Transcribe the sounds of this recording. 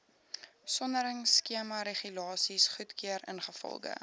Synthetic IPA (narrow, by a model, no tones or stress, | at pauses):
sɔndəɾəŋskiəmɐɾeχylɑːsisχutkiəɾə̰nχəfɔ̰lˠɡə̰